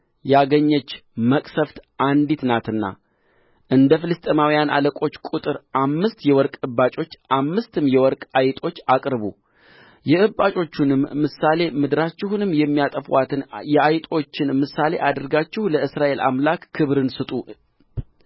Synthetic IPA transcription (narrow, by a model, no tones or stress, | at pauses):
jaɡəɲːɛt͡ʃːməkʼsəft̪ʔand̪it̪nat̪ɨnːa̰ | ʔɨnd̪əfɨlɨst̪ʼemawijanʔa̰ləkʼo̞t͡ʃːkʼut̪ʼɨɾʔamːɨst̪jɛwɔɾkʼɨbːat͡ʃʼo̞t͡ʃːʔamːɨst̪ʰɨmjɛwɔɾkʼajt̪ʼo̞t͡ʃːakʼɾβu | jɛʔɨbːat͡ʃʼo̞t͡ʃːunɨmːɨsale̞mɨd̪ɾat͡ʃːɪɦunɨmːjɛmːijat̪ʼəfwat̪ʰɨnjɛajt̪ʼo̞t͡ʃːɪnmɨsale̞̰ʔad̪ɨɾɡat͡ʃːɪhuləɨsɾaʔe̞lʔa̰mlakːʰɨβɾɨnsɨt̪ʼu